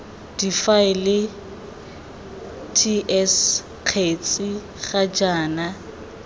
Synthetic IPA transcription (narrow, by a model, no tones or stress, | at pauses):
d̥ifaɪlɪ | tʰiʔɛs | q͡χʰet͡sʼɪ | χad͡ʒaːna